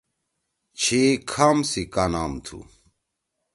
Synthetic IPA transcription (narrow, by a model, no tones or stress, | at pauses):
t͡ɕʰekʰamsikanaːmt̪ʰṵ